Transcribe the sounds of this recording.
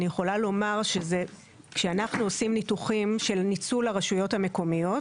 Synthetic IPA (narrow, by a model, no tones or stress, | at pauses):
nijeχo̞lalo̞maʁʃe̞ze̞ | kʃeanaχnuosimnituχimʃe̞lnit͡sulhaʁaʃujo̞thame̞ko̞mijo̞t